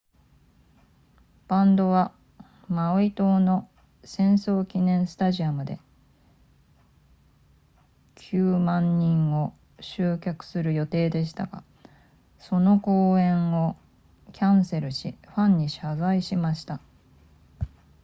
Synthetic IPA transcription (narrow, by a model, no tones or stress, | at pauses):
b̥ãnd̪o̞βa | maoit̪o̞ːno̞ | sẽ̞ɰ̃so̞ːkʲinẽ̞ɰ̃sɨ̥t̪aʑiamɯ̟d̪e̞̰ | kʲʰɨːmãɲ̟ːĩɰo̞ | ɕɨːkʲakɯ̟̥sɨɾɯ̟jo̞t̪e̞ːd̪e̞ɕi̥t̪a̰ɡ̥a̰ | so̞no̞ko̞ːẽ̞ɰ̃o̞ | kʲʰãɰ̃se̞ɾɯ̟ɕiɸãɲ̟ːiɕazaiɕimaɕi̥t̪a